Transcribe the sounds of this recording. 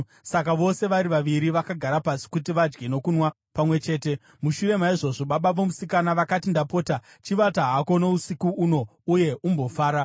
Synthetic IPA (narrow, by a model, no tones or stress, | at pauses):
sakaʋo̞se̞ʋaɾiʋaʋiɾiʋakaɡʱaɾapasi̥kutiʋad͡ʒɡe̞no̞kunwa | pamwe̞t͡ʃe̞ːte̞ | muʃuɾe̞maiʐo̞ʐo̞ɓaɓaʋo̞musikanaʋakatindapo̞ːta | t͡ʃiʋataɦako̞no̞usikuuno̞uje̞ʔumbo̞faːɾa